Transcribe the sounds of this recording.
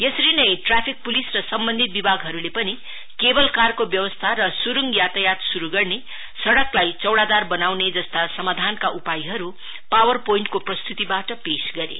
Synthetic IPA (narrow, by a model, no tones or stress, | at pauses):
jʌsʌɾinʌjʈrapʰik̚pulisrʌsʌmbʌnd̪ʱit̪̚bibʱaɡɦʌɾulepʌni | kebʌlkarkobjʌwʌst̪ʰaɾʌsuɾuŋɡjat̪ajat̪suɾuɡʌrne | sʌɽʌklajt͡sʌwɽad̪arbʌnawned͡zʌst̪asʌmad̪ʱankaʔupajiɦʌɾu | pawʌrpoiɳʈkoprʌst̪ʰut̪ibaʈʌpesɡʌɾḛ